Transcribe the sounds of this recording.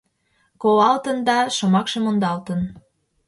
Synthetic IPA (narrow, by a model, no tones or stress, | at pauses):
kowɑlt̪ənd̪ɑʃomɑkʃemond̪ɑlt̪ən